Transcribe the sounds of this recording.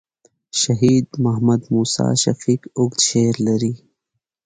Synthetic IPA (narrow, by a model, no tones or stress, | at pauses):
ʃɐɦiːd̪mɐɦmɐd̪muːsa̰ːʃɐfiːkʊɡt̪ʃeːɾlɐɾi